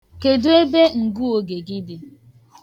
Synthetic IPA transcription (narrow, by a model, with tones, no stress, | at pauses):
ke˨dʊ˦e˦be˦ŋ̩˨ɡu˦o˨ɡe˨ɡi˦dɪ˨